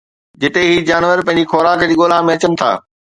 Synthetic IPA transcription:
d͡ʑɪt̪eɦiːd͡ʑaːnʋəɾpɐ̃ɦɪ̃ɲ̆d͡ʑixoːɾaːkd͡ʑiːɠoːlãːmẽɐt͡ɕənɪ̆t̪ʰa̰ː

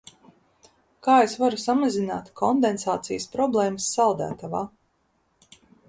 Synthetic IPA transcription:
kaːesvaɾusamazina̰ːt̪kʰɔnd̪ensaːt̪sijəspɾɔblˠeːməsːalˠd̪æ̰ːt̪avaː

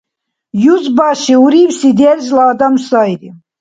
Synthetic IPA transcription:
juzbaʃiuɾiwsid̪ɛɾzlaːd̪amsajɾi

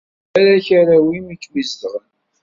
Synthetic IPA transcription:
æɾæçaɾawimikːmizd̪əʁən

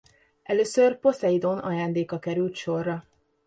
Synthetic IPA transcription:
ɛløːsørpo̞sɛid̪onɒ̰jaːnd̪eːkɒkɛɾylt̪ʃo̞rːɒ

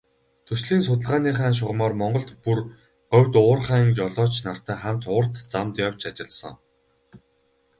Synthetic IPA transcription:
t̪ʰɵsɮiːnsʊt̪ə̆ɮʁaːniːχaːnʃ̬ʊʁmɔːrmɔɴɢɞ̆ɮt̪pur | ɢœwʲt̪ʊːrχaːŋt͡ɕɔɮɔːt͡ɕnar̥t̪æːχæm̥t̪ʊr̥t̪t͡samt̪jawt͡ɕat͡ɕɪ̆ɮsɞ̰̆ŋ

